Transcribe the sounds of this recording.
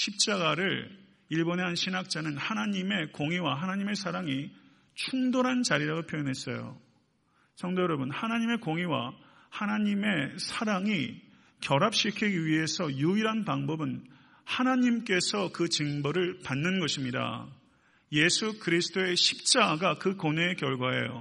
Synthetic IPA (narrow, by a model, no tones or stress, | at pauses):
ɕʰip̚t͡ɕ͈aɡaɾɯɭ | iɭboneɦanɕʰinak̚t͡ɕ͈anɯnhanaɲime̞koŋiwaɦanaɲime̞sʰaɾaŋi | t͡ɕʰuŋdoɾɦant͡ɕaɾiɾaɡopʰjojʌnɦe̞s͈ʌ̰jo̰ | sʰʌŋdojʌɾʌbɯnhanaɲime̞koŋiwa̰ | hanaɲime̞sʰaɾaŋi | kjʌɾap̚ɕ͈ikʰiɡiɥiɦe̞sʰʌjuiɾɦanpaŋbʌbɯn | hanaɲimk͈e̞sʰʌkɯt͡ɕɯŋbʌɾɯɭpanːɯnɡʌɕʰimɲida̰ | je̞sʰukɯɾisʰɯ̥t͈ʰoe̞ɕʰip̚t͡ɕ͈aɡakɯkonekjʌɭɡwaɦḛjo̰